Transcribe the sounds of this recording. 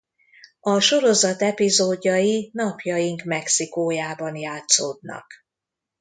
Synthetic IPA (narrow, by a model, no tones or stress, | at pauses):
ɒʃo̞ɾo̞zɒt̪ɛpizoːɟːɒjinɒpjɒjiŋkmɛksikoːjaːbɒnjaːt̪soːd̪nɒ̰k